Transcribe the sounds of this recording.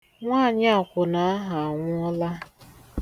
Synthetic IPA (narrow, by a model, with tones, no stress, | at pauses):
ŋʷaː˦˨ɲa˦a˨kʷʊ˨na˨a˦ɦa˨a˨ŋʷʊ˦ɔ˦la˦